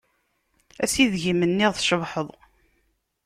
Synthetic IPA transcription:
æsiðʝimənːiʁθʃəvħəðˤ

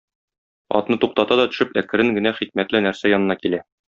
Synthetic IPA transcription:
ɒ̰t̪nɤt̪uq̚t̪ɑt̪ɑd̪ɒt̪ɵ̆ʃɘpækɘ̆ɾɘŋɡɘ̆næχik̚mæt̪lɘnæɾsæjɒnɤ̆nɑkilæ

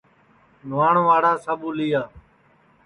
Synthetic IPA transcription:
nʋaːɳʋaːɽaːsəɓuːliːaː

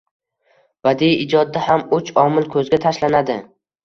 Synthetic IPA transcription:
bad̪ijɪd͡ʒɒd̪̚ːahamʊt͡ʃɒmɪlkʰɵzɡʲat̪ʰaʃlanad̪ɪ

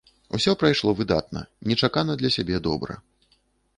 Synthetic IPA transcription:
ṵsʲɔpɾajʂlˠɔvɨd̪at̪̚nɐ̰nʲɛt͡ʂakanɐd̪lʲɐsʲabʲɛd̪ɔbɾɐ̰

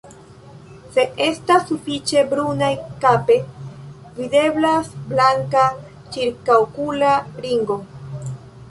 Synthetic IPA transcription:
se̞ʔe̞stasːufit͡ʃe̞bɾunajkape̞ | vide̞blasblaŋka | t͡ʃiɾkawkulaɾiŋɡo̞

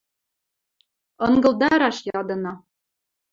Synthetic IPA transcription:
ɤŋɡɤ̆lˠd̪ɑɾɑʃjɑd̪ɤ̆nɑ

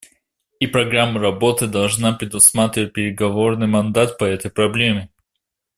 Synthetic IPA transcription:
ipɾɐɡɾamːəɾɐbo̞t̪ɨd̪ɐlˠʐnapɾʲɪd̪ʊsmat̪ɾʲɪvət̚ʲpʲɪɾʲɪɡɐvo̞rnɨjmɐnd̪at̪̚pɐɛt̪əjpɾɐblʲemʲɪ

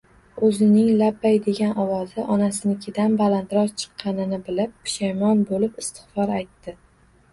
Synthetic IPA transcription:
ɵzɪnɪŋlapːajd̪e̞ɡʲanʔɒwɒzɪʔɒnasɪnɪkʲʰɪd̪anbalant̪ɾɒzt͡ʃʰɨ̥qʰːɑnɪnɪbɪlɪp̚ːɪ̥ʃajmɒnbolɪpɪst̪ʰɪ̥χfɒɾajt̪ːɪ

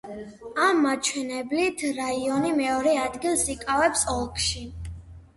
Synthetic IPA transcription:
amːat͡ʃʰwɛnɛblit̪ʰɾaiɔnimɛɔɾɛad̪ɡilˠsikʼavɛpsɔlˠkʰʃi

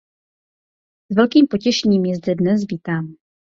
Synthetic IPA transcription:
zvɛlkiːmpo̞cɛʃɛɲiːmjɛzdɛdnɛsviːt̪aːm

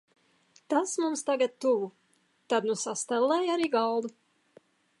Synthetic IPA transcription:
t̪asmumst̪aɡat̪̚t̪uvu | t̪ad̪nusast̪ɛlˠːɛjaɾiːɡɑlˠd̪u

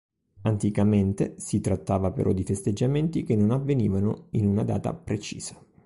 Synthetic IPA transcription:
ant̪ikament̪esit̪ɾat̪ːaːvapḛɾʔɔ̰d̪ifest̪ed͡ʒːament̪ikenːonavːeniːvanoinunad̪a̰ːt̪a̰pɾet͡ʃḭːz̥ḁ

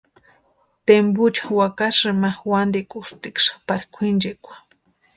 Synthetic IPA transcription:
t̪embʊt͡ʃḁwakaʂɨmawand̪ikʼʊst̪ikʂḁpaɾkʷʰind͡ʒekʷḁ

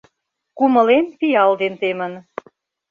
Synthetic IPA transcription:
kumɤ̆lempijɑld̪ent̪emən

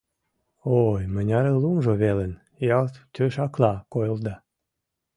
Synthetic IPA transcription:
ojmənʲɑɾelumʒoβelən | jɑlt̪t̪øʃɑklɑkojəld̪ɑ

